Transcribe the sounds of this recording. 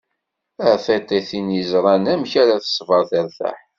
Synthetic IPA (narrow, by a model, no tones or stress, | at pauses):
æʕθæt̪ːæθinjəzɾˤɑnæmçæɾaθə̥sˤvɑɾˤθæɾθæ̰ħ